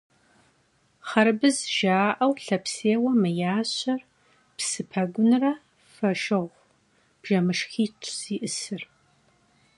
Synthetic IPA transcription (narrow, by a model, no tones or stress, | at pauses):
χɐɾbɨzʒaːʔɐwɬɐpseːwɐmɨjaːɕɐr | psɨpʰɐɡʷʊnrɐ | fɐʃɨʁʷ | b̥ʒɐmɨʂxiːtʰʼziːʔɨsɨr